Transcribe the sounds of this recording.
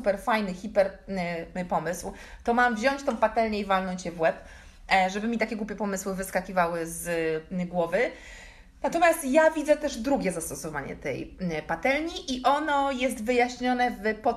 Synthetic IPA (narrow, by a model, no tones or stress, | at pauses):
supɛɾfajnɘxʲipɛɾ | pɔmɘswt̪ɔmamvʑɔɲt͡ɕt̪ɔ̃w̃pat̪ɛlɲɛivalnɔɲt͡ɕjɛvwɛp | ʐɛbɘmʲit̪akʲɛɡwupʲɛpɔmɘswɘvɘskakʲivawɘzɡwɔvɘ | nat̪ɔmʲjast̪javʲid̪zɛt̪ɛʐd̪ɾuɡʲɛzast̪ɔsɔvaɲɛ̰t̪ɛ̰jpat̪ɛlɲiʔiʔɔnɔjɛst̪vɘjaɕɲɔnɛvpɔ